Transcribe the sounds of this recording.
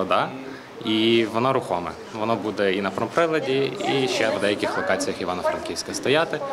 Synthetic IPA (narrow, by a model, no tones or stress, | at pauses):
ɔd̪ɑ | iʋɔnɔɾʊxɔmɛ̰ | ʋɔnɔbud̪ɛinɐpɾɔmpɾɪlˠɐdʲiiʃt͡ʃɛʋd̪ɛjɐkʲixlˠɔkɑt͡sʲijɐxiʋɑnɐfɾɐ̰nkʲiwsʲkɐst̪ɔjat̪ɪ